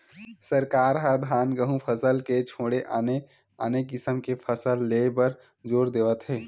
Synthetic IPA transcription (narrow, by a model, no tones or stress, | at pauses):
səɾkaːɾɦad̪ʱɦaːnɡəɦũpʰəsəlket͡ʃʰõːɽeʔane | aːnekɪsəmkepʰəsəlːepəɾ | zoːɾd̪eːʋət̪ɦɛː